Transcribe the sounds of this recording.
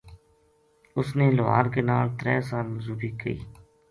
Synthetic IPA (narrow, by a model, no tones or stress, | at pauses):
ʊsneːlʊʋa̰ːɾkeːnaːlt̪ɾɛ̰ːsaːlməzuːbiːkəḭː